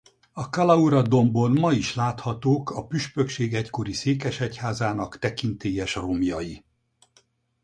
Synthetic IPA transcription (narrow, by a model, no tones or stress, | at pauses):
ɒkɒlɒuɾɒd̪o̞mbonmɒiʃlaːt̪hɒt̪oːkɒpyʃpøkʃeːɡɛcko̞ɾiseːkɛʃɛchaːzaːnɒkt̪ɛkint̪eːjɛʃromjɒji